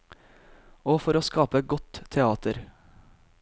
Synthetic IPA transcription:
oːfɔɾoːskɑːpəɡɔt̪ʰɛɑːt̪əɾ

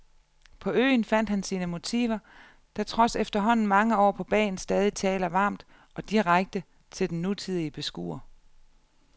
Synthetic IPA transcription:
pʰɒ̽ø̰ːnfæn̰d̥hænsiːnəmo̝t͡sʰḭːʋɐ | d̥ʰæt͡sʰʁɒ̽sefd̥ɐɦɒ̽n̰n̩mɑ̈ŋəɒ̰ːpʰɒ̽b̥ɛ̰ːn̩sd̥ɛːð̞ˠit͡sʰɛːlɐʋɑ̈ːmd̥ | ɒ̽d̥iʁaɡ̥̚d̥ə | t͡sʰe̝ld̥en̩ːut͡sʰið̞̰ˠiəb̥e̝sɡ̥ṵːɐ

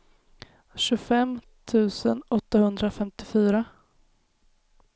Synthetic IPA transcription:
ɕɵfɛm | t̪ʰʉ̟ːsə̰nɔt̪ːahɵnd̪ɾafɛmt̪ɪfyːɾa

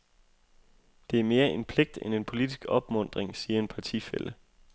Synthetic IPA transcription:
d̥e̝æɐme̝ːɐʔe̝npʰle̝ɡ̥̚d̥enenpʰo̝lid̥isɡ̥ɒ̽b̥mɔ̽n̰d̥ʁeŋsiːɐe̝npʰɑ̈t͡sʰḭfel̰ə

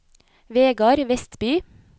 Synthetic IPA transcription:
ʋeːɡɑɾʋɛst̪byː

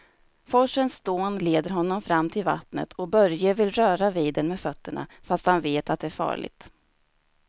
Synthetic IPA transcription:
fɔʂənsd̪oːnleːd̪əɾɦɔnːɔmfɾamːt̪ʰɪlva̰t̪nə̰t̪ʰɔbœɾjəvɪlɾœːɾaviːd̪ənmeːfœt̪ːəɳa̰fast̪hanveːt̪at̪̚d̪ɛæɾfɑ̰ːɭɪ̰ɡ̚t̪

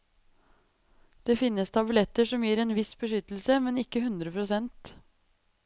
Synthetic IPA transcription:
d̪̥eːfɪnːəst̪ʰɑbʉlɛt̪əʂɔmjiːɾeːnʋɪsbəʂʏt̪l̩səmɛnɪkːəhʉnd̪ɾəpʰɾʊsɛnt̪

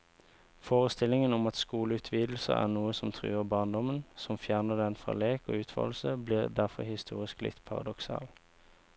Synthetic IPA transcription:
foːʁəst̪ɪlɪŋənɔmɑt̪skuːləʉːt̪ʰʋiːd̪l̩sə̰æ̰ːʁnuːəsɔmt̪ʰʁʉ̰ːəʁbɑːnd̪ɔmənsɔmfjæːʁnəd̪ɛnfʁɑ̰leːko̰ːʉːt̪ʰʋɑ̰ll̩səbliːʁd̪æʁfɔ̰ʁhɪst̪ʰṵːʁɪsklɪ̰t̪pʰɑʁɑ̰d̪ɔksɑ̰ːl

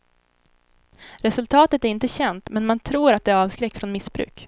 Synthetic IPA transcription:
ɾɛsɵlt̪ʰɑːt̪ət̪æɾɪnt̪əɕɛnt̪mɛnmant̪ʰɾuːɾat̪̚d̪ɛæɾɑːvskɾɛkːfɾɔnmɪsbɾʉ̰ːk

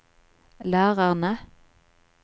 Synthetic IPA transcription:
læːʁɑʁnə

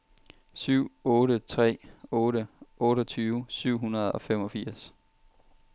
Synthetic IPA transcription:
syʊ̰ɔːɾət͡sʰʁɛ̰ːɔ̽ːɾəʔɔ̽ːɾɒt͡sʰyːʊsyʊ̰ɦunɐð̞ˠɒ̽femɒ̽fiɐ̰s

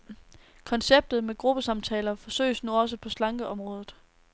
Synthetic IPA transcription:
kʰɒ̽nseb̥̚d̥ð̩ˠmeɡ̥ʁub̥əsɑ̈mt͡sʰɛːlɐfɒ̽sø̰ɪsnuɒ̽s̬əpʰɒ̽slɑ̈ŋɡ̥əʔɒ̽mʁɔ̽ːð̞ˠð̩ˠ

